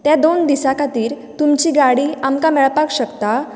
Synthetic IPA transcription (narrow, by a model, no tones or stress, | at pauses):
t̪jad̪ond̪isakat̪iːɾ | t̪umt͡ɕiːɡaɽiːamkamɛɭpakɕəkt̪a